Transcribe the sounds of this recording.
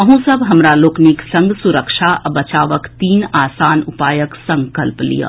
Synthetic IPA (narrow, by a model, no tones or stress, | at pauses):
ɐɦũsɐbɦɐmɾaloːkniksɐ̃ŋɡsuɾəkʃaʔɐbɐt͡ʃaːʋəkt̪iːnaːsaːnʊpaːjəksɐ̃ŋkəlplḭjə̰